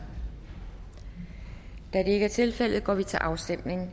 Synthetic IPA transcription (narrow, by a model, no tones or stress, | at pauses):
d̥æd̥e̝e̝ɡ̥əæɐt͡sʰe̝lfel̰ð̞̩ˠɡ̥ɒ̰ːʋit͡sʰe̝lʔɑ̈ʊsd̥em̰ne̝ŋ